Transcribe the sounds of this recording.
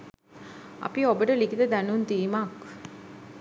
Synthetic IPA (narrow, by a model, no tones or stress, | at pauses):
a̰piobəʈəlikit̪əd̪ænunt̪iːmak